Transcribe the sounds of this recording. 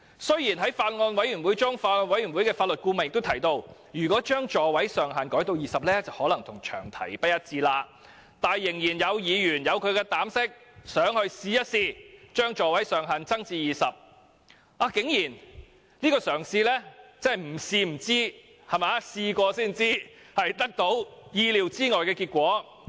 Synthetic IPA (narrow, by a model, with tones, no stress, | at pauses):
sɵ˥ɥjiː˨˩nɦɐ˨˥jfaː˧t̚ŋɔː˧nwɐ˨˥jɥy˨˩nwu˨˥jt͡sʊ˥ŋfaː˧ŋɔː˧nwɐ˨˥jyː˨˩nwu˨˥jkɛː˧faː˧lɵ˨t̚kuː˧mɐ˨njɪ˨kt̪wt̪ʰɐ˨˩jt̪o˧wjyː˨˩kʷɔː˨˥t͡ʃœː˥ŋt͡ʃɔː˨wɐ˨˥jsœː˨ŋɦaː˨nkɔː˨˥jt̪o˧wjiː˨˩sɐ˨p̚lɛː˥t͡sɐ˨whɔː˨˥lɐ˨˩ŋt̪ʰʊ˨˩ŋt͡ʃʰœː˨˩ŋt̪ʰɐ̰˨˩jpɐ˥t̚jɐ˥t̚t͡siː˧laː˧ | t̪aː˨˩njɪ˨˩ŋjiː˨˩njɐ˨˧wjiː˨˧jyː˨˩njɐ˨˧wkʰɵ˨˧ɥkɛː˧t̪aː˨˥msɪ˥k̚sœː˨˥ŋhɵ˧ɥsiː˧jɐ˥t̚siː˧t͡ʃœː˥ŋt͡ʃɔː˨wɐ˨˥jsœː˨ŋɦɐ˨nt͡sɐ˥ŋt͡siː˧jiː˨sɐ˨p̚ | ʔaː˧kɪ˨˥ŋjiː˨˩n | nliː˥kɔː˧sœː˨˩ŋsiː˧lɛː˥t͡sɐ˥hɐ˨jm̩˨˩siː˧m̩˨˩t͡siː˥ | hɐ˨maː˨˧˦siː˧kʷɔː˧siː˥˩nt͡siː˥ | hɐ˨jt̪ɐ˥k̚t̪o˨˥wjiː˧liː˨˩wt͡siː˥ŋɔː˨jkɛː˧kiː˧t̚kʷɔː˨˥